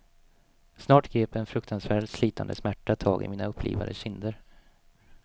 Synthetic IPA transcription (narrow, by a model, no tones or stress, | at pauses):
snɑːʈɡɾeːpɛnfɾɵkt̪ʰansvæːɖsliːt̪ʰa̰nd̪əsmæʈːat̪ʰɑːɡɪ̰miːnaɵpʰːlḭːva̰d̪əɕɪnd̪əɾ